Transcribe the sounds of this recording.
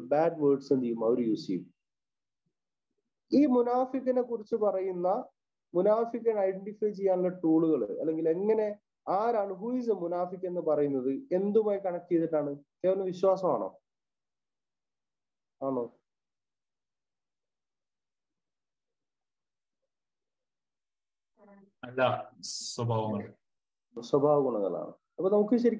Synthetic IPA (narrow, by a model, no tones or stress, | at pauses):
baːɖʋəːɖsent̪ijːumɐoɾujuːsḭjṵm | iːmunaːfikːɐne̞kːurit͡ɕːɨpɐrɐjunːɐ | munaːfikʲːɐnɐjɖeɳʈifɐjt͡ɕe̞jːaːnilːɐʈuːɭuɣɐɭɨ̰ɐ̰lːe̞ŋɡile̞ŋːɐne̞ | aːɾaːɳɨɦuisɐmunaːfikːe̞nːɨpɐrɐjunːɐðɨe̞nd̪umaːjkɐɳɐkːijɐðiʈːaːɳɨt̪eːʋɐnːeʋiɕwaːsɐma̰ːɳo̰ː | aːɳoː | ɐlːaswɐbʱaːʋɐŋːɐɭ | swɐbʱaːʋɐɣuɳɐŋːɐ̰ɭa̰ːɳɨ̰ | ɐpːonɐmuk̬ːɨɕ̬ɐɾikʲː